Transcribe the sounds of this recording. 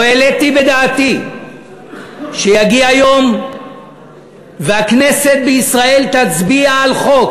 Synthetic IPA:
oelet̪ibe̞d̪aːt̪i | ʃejaɡiajo̞m | veakne̞se̞t̪̚beisʁae̞lt̪at͡sbiaːlχo̞k

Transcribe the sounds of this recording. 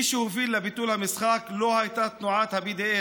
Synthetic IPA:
ʃuviːlːabit̪uːlhamɪsxaːkloːhajt̪aːt̪nʊʕaːt̪habid̪eʔeː

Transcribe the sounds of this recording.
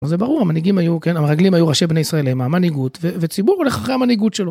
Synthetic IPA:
zebaʁuʁhamaniɡimajuke̞nameʁaɡlimajuʁaʃebne̞jisʁaelejmaamaniɡutvevet͡sibuʁole̞χaχehamaniɡutʃelo

